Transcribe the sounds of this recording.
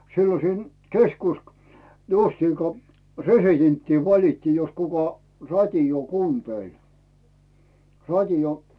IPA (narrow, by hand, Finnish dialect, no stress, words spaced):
silːon̞ siːn keskusk justiːŋko resitentːiː ʋɑlitːiː jos kukɑ rɑtʲioː kuːnteˑl rɑtʲio